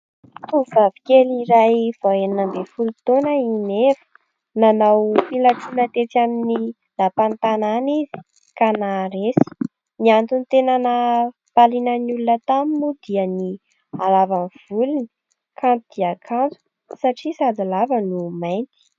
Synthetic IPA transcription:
t̪uvavi̥kʲeliɾajv̥aeninəmbefulut̪onəinevə̥ | nanawfilaʈ͡ʂunət̪et͡samini | lapant̪ananizi̥ | kanaɾesi̥ | niant̪unit̪enanə | palinənulunət̪amimud̪iəni | alavanv̥uluni | kʰant̪ud̪̥iakʰant͡su̥ | saʈ͡ʂisad̪alavənumajnt̪i̥

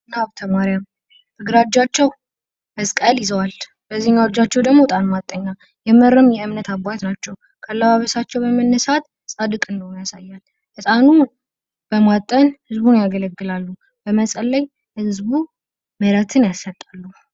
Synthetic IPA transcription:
naβt̪ʰəmaɾjam | t̪ʰɨɡɾad͡ʒat͡ʃːɛw | əskʼəljɪzəwal | b̥əziɲːawd͡ʒat͡ʃːɛwd̪əɡmo̞t̪ʼanmat̪ʼːəɲːa | jɛməɾːɨmjɛɨmnət̪abat̪nat͡ʃːɛw | kʰəlːəβaβəsat͡ʃːɛwbəmənːəsat̪ | sʼad̪ɨkʼɨndəwnjasajːal | ʔɨsʼanu | b̥əmat̪ʼːənhɨzbunjaɡələɡːɨlalːu | bəməsʼəlːəj | hɨzbu | məɾət̪ʰɨnjasːət̪ʼːalːu

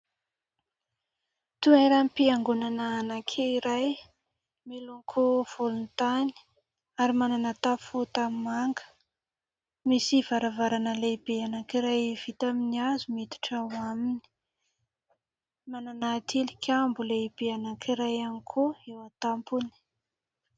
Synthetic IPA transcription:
t̪uaɾampiaŋɡunanaːnakʰeiɾaj | melunkʰuv̥ulunt̪ani̥ | aɾimananat̪afut̪amimaŋɡə̥ | misiv̥aɾavaɾanəleibeanakiɾajv̥it̪aminiazumit̪u̥ʈ͡ʂawamini̥ | mananat̪ʰilikʲʰambuleib̥eanakiɾajanikʰuewat̪ampuni̥

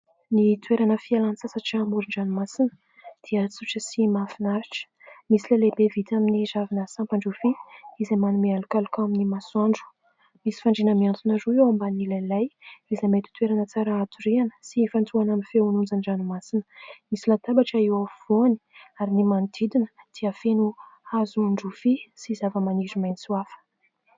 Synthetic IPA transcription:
nit̪ʰweɾanəfialansasaʈ͡ʂiamuɾiɳɖ͡ʐanimasinə̥ | d̪̥iət͡suʈ͡ʂəsimafinaɾiʈ͡ʂə̥ | misilelebevit̪aminizavinəsampaɳɖ͡ʐufiizamanumialukalukaminimasuaɳɖ͡ʐu̥ | misi̥faɳɖ͡ʐinəmiant̪unaruewambanilajlajizamejt̪i̥t̪weɾanət͡saɾaat̪uɾianə̥sifant͡suanaminfeunund͡zanɖ͡ʐanimasinə̥misilat̪abaʈ͡ʂaiwav̥oni̥aɾinimand̪id̪inə̥d̪̥iəfenuazuɳɖ͡ʐufisizavəmanizimajnisuafə̥

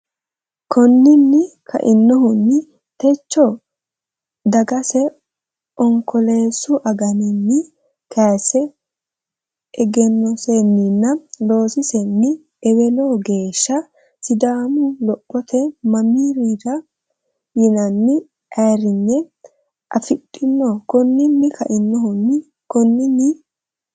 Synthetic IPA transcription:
kʰɔnːɪnːɪkʰɐ̰ʔɪnːɔɦʊnːɪ | t̪ɛt͡ʃːɔ | d̪ɐɡɐsɛ | ɔŋkɔleːsʊʔɐɡɐnɪnːɪ | kaːsɛ | ɛɡɛnːɔsenːɪnːɐlo̞ːsɪsɛnːɪ | ɛwɛnɔɡe̞ːʃːɐ | sɪd̪aːmʊlɔpʼːɔt̪ʰɛmɐmiːɾid̪ɐ | jɪnɐnːɪ | ɐjɾɪnːɛ | ʔɐfɪtʼːɪnːɔkɔnːɪnːɪkɐʔɪnːɔɦʊnːɪ | kɔnːɪnːɪ

